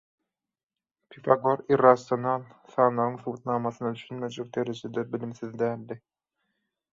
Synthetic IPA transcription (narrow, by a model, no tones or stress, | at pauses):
pʰifɑɡoɾiɾɑsonɑlθɑːnlˠɑʁɯŋθuwt̪̚nɑːmɑθɯnɑd̪yʃynmø̞d͡ʒek̚d̪e̞ɾed͡ʒed̪ebilimθiðd̪æːld̪i